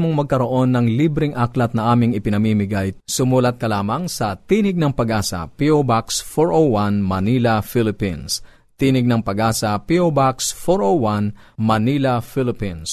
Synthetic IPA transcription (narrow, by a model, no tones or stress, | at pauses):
moŋmɐɡ̚kɐɾo̞ʔo̞nːɐŋliːbɾɪŋʔaklɐt̪̚nɐʔaːmɪŋɪpɪnɐmiːmɪɡajsʊmuːlɐt̪̚kɐlaːmɐŋsɐt̪iːnɪɡ̚nɐŋpɐɡaːsɐ̰piobaksfoɹʔowːanmɐniːlɐfilɪpins | t̪iːnɪɡ̚nɐŋpɐɡaːsɐpiobaksfoɹowwanmɐnilɐfilɪpins